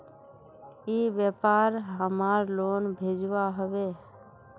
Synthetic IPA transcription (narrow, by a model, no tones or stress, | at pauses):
iːbeːpaːɾɦəmaːɾloːnbʱeːd͡ʒʋaɦəʋeː